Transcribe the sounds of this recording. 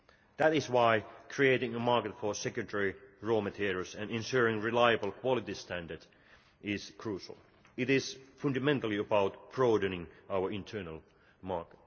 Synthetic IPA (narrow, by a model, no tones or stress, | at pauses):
ðæɾɪzwaɪkʰɹieɪɾɪ̃ŋəmɑɹkɨtfə˞sɛkjɨ̃ntʰɛɹiɹomɨtʰiɾə˞sɨ̃nɪ̃nʃuɹɪ̃ŋɹɨlaɪɨbl̩ˠkʰw̥ɑlˠɨtistʰæ̃ndə˞d | ɪz̥kʰɹuʃə̰l̩ˠ | ɪɾɪz̥fʌ̃ndɨmɛ̃ntl̩ˠiəbaʊt̚pʰɹɔɹdɨ̃nɪ̃ŋaʊə˞ɪ̃ntʰɜ˞nəl̩ˠ | mɑɹkət̚